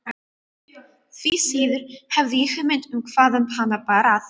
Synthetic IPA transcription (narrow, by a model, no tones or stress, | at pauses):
fiːsiːðrhɛvihəmɪndʰənkʰv̥aðənpʰanabaɾað